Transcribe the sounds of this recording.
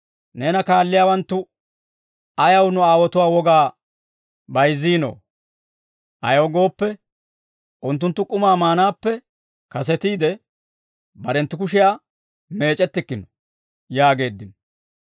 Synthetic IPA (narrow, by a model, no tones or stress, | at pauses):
ne̞ːnɐkaːlːɪjaːwɐnt̪ːʊ | ɐjɐwnʊaːwɔt̪ʊwaːwɔɡaː | bɐjzːiːno̰ː | ʔɐ̰jowɡo̞ːpːɛ | ʔʊnt̪ːʊnt̪ːʊkʼʊmaːmaːnaːpːɛ | kɐs̬ɛt̪iːd̪ɛ | bɐɾɛnt̪ːʊk̬ʊʃɪjaː | me̞ːt͡ʃʼɛt̪ːɪkːɪnɔ̥ | jaːɡe̞ːd̪ːɪnɔ